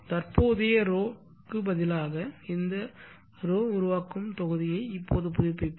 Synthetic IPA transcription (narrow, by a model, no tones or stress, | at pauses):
t̪ɐrpoːðeːɾoː | kːɯbɐðɪlaːɣɐɪnd̪ɐ | ɾoːʊɾʊʋaːkːɯmt̪ɔɣɯðɪjɐɪpːoːðɯpʊðɪpːɪpː